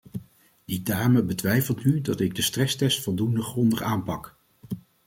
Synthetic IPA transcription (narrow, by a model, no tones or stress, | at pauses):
didaːməbətʋɛjfəlˠtnydɑtɪɡ̚dəstrɛstɛstfʊlˠdundəχrɔndəχaːmpɑk